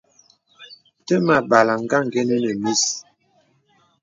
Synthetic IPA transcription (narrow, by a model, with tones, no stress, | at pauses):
tə˦ma˨ba˨la˨ŋ˦ɡa˦˨ŋ˨ɡe˦nə˦nə˨mi˦˨s